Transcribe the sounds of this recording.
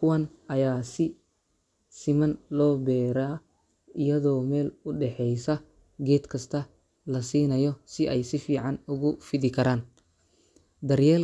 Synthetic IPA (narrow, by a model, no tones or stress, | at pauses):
kʰʊwɐn | ɐjaːsɪ | sɪmɐnlɔːbɛːɾaː | ɪjɐðɔːmɛːlʊɖɛħɛjsɐ | ɡɛːd̪kʰɐst̪ʰɐ | lɐsiːnɐjɔsɪʔɛjsɪfiːʕɑnʊɣʊfɪðɪkʰɐɾaːn | d̪ɐrjɛːl